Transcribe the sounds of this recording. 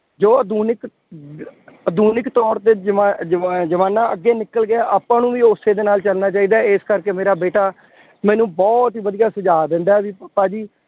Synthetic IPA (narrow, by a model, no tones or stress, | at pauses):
d͡ʒoːəd̪uːnɪk | əd̪uːnɪkt̪ɔːɾt̪eːd͡ʒ | d͡ʒəʋaːnãːəɡːeːnɪkːəlɡɪaːʔaːpãːnũːʋiːoseːd̪eːnaːlt͡ʃəlnaːt͡ʃaːiːd̪aːeskəɾkeːmeːɾaːbeːʈaː | mɛ̃ːnũːbɔːt̪ɦiːʋəd̪ijaːsəd͡ʒaːd̪ɪ̃nd̪aːɛːʋiːpəpːaːd͡ʒiː